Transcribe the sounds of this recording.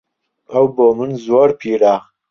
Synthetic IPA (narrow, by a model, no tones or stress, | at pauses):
ɐwboːmɨnzwoːɾpʰiːɾaː